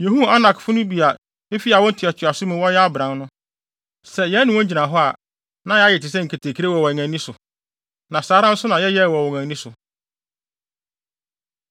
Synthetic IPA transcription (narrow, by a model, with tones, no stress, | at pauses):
je˨hu˦a˦nã˨kfʊ˦nʊ̃˦bi˨a˨ | e˦fi˦a˨wɔ̃˦n̩˦tʰi˨a˨t͡ɕʰɪ˨a˨sʊ˦mʊ̃˨wɔ˦jɛ˦a˦bɾã˨˦nnʊ̃˦ | sɛ˨jɛ˦nɪ̃˨wɔ̃˦ɲ̩˦d͡ʑi˨nã˨ɦɔ˦a˨ | nã˨˦jɛ˦a˦jɛ˨tɪ˨s̬ɛ˦ŋ̩˨kʰe˨tʰe˨kʰi˨ɾe˦wɔ˨wɔ˨ŋæ̃˨nĩ˦sʊ˨ | nã˨saː˨˦ɾã˦n̩˦sʊ˦nã˨jɛ˦jɛ˦˨wɔ˨wɔ˨ŋæ̃˨nĩ˦sʊ˨